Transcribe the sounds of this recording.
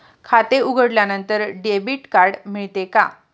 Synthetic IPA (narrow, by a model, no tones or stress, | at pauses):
kʰat̪euɡʱəɽljanənt̪əɾɖebiːʈkaɾɽmiɭt̪eka